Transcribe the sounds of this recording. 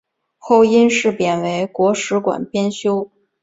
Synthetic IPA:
xo˥˩ʊi˥nʂɻ̩˥˩pjɛ˨˩nwe˧˥ɪkwɔ˧˥ʂɻ̩˧˥kwa̰˨˩npjɛ˥nɕjo˥ʊ

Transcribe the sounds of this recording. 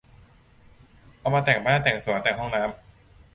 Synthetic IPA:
ʔa˧wmaː˧t̪ɛː˨˩ŋbaː˥˩nt̪ɛː˨˩ŋsu˩˦t̪ɛː˨˩ŋɦɔ˥˩ŋnaː˦˥m

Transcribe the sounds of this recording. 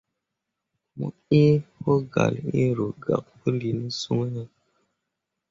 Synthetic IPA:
mṵ˦e˦ho˦ɡa̰˨le˦ɾo˨ɡa̰˨k̚pə˦li˨nə˦su˦ŋ˦nə˦

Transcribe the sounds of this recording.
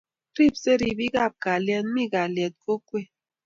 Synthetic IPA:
ɾi˦˨bse˦ɾi˨bi˦ɡa˦˨b̚ka˨ljɛ˦nmi˦ɡa˨ljɛ˨t̚ko˦kwe˦˨

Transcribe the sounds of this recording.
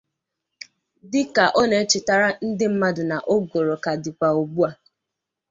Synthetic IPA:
dɪ˦ka˨ʔɔ˦ne˨˦t͡ʃɪ˨ta˨ɾa˦n̩˦dɪ˦m̩˦ma˦dʊ˨na˨ʔo˦ɡo˨ɾo˨ka˨dɪ˨kʷa˨o˨bu˦a˨

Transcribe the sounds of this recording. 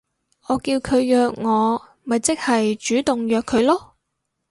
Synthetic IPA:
ʔɔː˨˧kiː˧wkʰɵ˨˧ɥjœː˧k̚ŋɔː˨˧ | mɐ˨jt͡sɪ˥k̚hɐ˨jt͡ʃyː˨˥t̪ʊ˨ŋjœː˨kʰːɵ˨˧˥ɥlɔː˥

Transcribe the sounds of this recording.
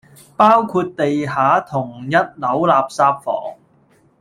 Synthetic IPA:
paː˥wkʰuː˧t̚t̪e˨jɦaː˨˥t̪ʰʊ˨˩ŋjɐ˥t̚lɐ˨˥wlaː˨p̚saː˧p̚fɔ̰ː˨˩ŋ

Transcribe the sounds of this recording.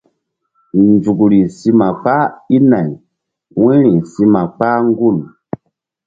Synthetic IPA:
nd͡zu˨ɡɾi˨si˧ma˨k͡pa˦i˦na˨j | wĩ˦ɾi˨si˧ma˨k͡pa˦ŋ˦ɡu˦˨l

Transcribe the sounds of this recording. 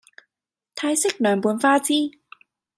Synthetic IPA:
t̪ʰaː˧˥jse˧˥˩k̚nɔː˨˩˦nbu˨˩˦ənfaː˧˥˩t͡sʰiː˧˥˨

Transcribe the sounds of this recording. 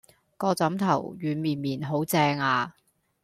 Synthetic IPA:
kɔː˧t͡sɐ˨˥mt̪ʰɐ˨˩wɥyː˨˧nmiː˨˩nmiː˨˩nɦo˨˥wt͡sɛː˧ŋaː˧

